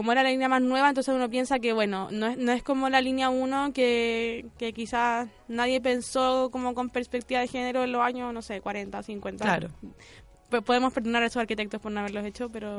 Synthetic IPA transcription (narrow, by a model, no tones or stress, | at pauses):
komoeɾalalinjamasnwe̞βaent̪onsesuno̞p̬je̞nsakeβwe̞no̞noenoe̞skomo̞lalinjauno̞keke̞kisas | naðje̞p̬e̞nsokomo̞ko̞mpe̞ɾspek̚t̪iβaðexe̞ne̞ɾoenlosaɲono̞se̞kwaɾe̞nt̪asiŋkwe̞nt̪alaɾo | ppo̞ðemospe̞ɾðonaɾaesosaɾkit̪ek̚t̪ospoɾnoaβelose̞t͡ʃope̞ɾo